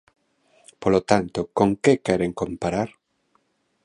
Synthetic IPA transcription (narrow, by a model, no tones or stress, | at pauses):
polot̪ant̪okoŋkekeɾeŋkõmpaɾaɾ